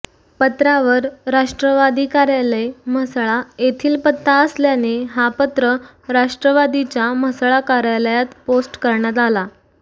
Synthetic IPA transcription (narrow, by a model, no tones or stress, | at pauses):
pət̪ɾaʋəɾɾaʂʈɾəʋad̪iːkaɾjaləjm̤əsɭajet̪ʰiːlpət̪ʰːaəsljaneɦapət̪ɾə | ɾaʂʈɾəʋad̪it͡ɕjam̤əsɭakaɾjaləjat̪posʈkəɾɳjat̪̬ala